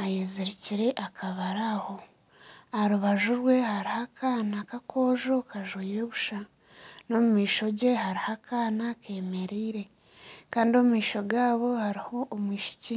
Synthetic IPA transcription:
ajeziɾiciɾe̞ʔakʰaβaɾaho̞ | aɾuβaʒuɾwe̞haɾihakʰaːnakakʰo̞ːʒo̞kaʒwiːɾoβuʃa | no̞mumiːʃo̞ɟe̞haɾihakʰaːnakʰe̞ːme̞ɾiːɾe̞ | kaːndio̞mumiːʃo̞ɡaːβo̞haɾiho̞ʔːmwiːʃi̥ci

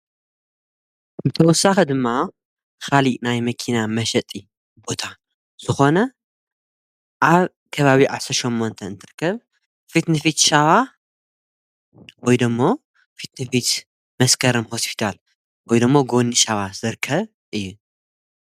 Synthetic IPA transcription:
bɨt̪ʰɐwɔsːaxɐd̪ɨmːa | kalinajmɐkʰinamɐʃɐt̪ʼi | bo̞t̪ʰa | z̥ɨxo̞nɐ | ʔaβ | kʰɐβaβiʕa̰sɐɾʃomːo̞nt̪ʰɐɨnt̪ʰɨɾɨkːɐβ | fit̪nɨfit̪ʃaβa | wɔjd̪ɨmːo̞ | fit̪nɨfit̪ | mɐskʰɐɾɨmho̞spʰi̥t̪ʰal | wɔjd̪ɨmːoɡo̞nːɨʃaβaz̥ɨɾkʰːɐβ | ʔɨjːu

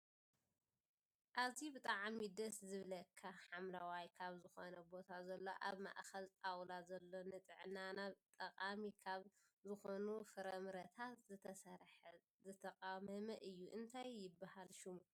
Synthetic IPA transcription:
ʔazibɨt̪ʼaʕmid̪ɐszɨβlɐkʰːaħamlawajkʰaβzɨxo̞nɐbo̞t̪ʰazɐlːo̞ʔa̰βma̰ʔxɐlt̪ʼawlazɐlːo̞nɨt̪ʼɨʕnanaβt̪ʼɐqʼamikʰaβ | zɨxo̞nufɨɾɐmɾɐt̪ʰat̪zɨt̪ʰɐsɐɾħ | zɨt̪ʰɐqʼamɐmɐʔɨjːuʔɨnt̪ʰajːɪbːahalʃɪmu

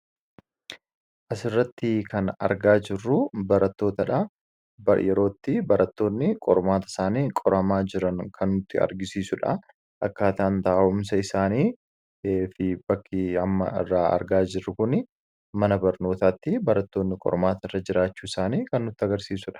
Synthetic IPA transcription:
ʔɐsɪrːɐt̪ːɪkʰɐnɐ̰ɾɡaːd͡ʒɪrːʊbɐɾɐt̪ːo̞ːt̪ɐᶑɐ | bɐjɛɾo̞ːt̪ːɪbɐɾɐt̪ːo̞ːnːɪkʼɔɾmaːt̪ɐɪ̥saːniːkʼɔɾɐmaːd͡ʒɪɾɐnkʰɐnːʊt̪ːɪɐ̰ɾɡɪsiːsʊᶑɐ̰ | ʔɐkːaːt̪aʔːnt̪aːʔʊmsɐɪsaːniː | eːfɪbɐkːɪɐmːɐ̰ɪ̰rːaːɐ̰ɾɡaːd͡ʒɪrːʊkʊnɪ | mɐnɐbɐɾno̞ːt̪aːt̪ːɪbɐɾɐt̪ːo̞ːnːɪkʼɔ̰ɾmaːt̪ɐɪrːɐd͡ʒɪɾaːt͡ʃːuːɪsaːniːkɐnːʊt̪ːɪɐɡɐɾsiːsʊᶑɐ̥

